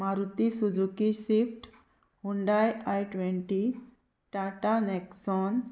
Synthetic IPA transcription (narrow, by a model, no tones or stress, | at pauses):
maɾut̪isud͡zukisifʈ | huɳɖajajʈʋeɳʈi | ʈaʈaneksɔn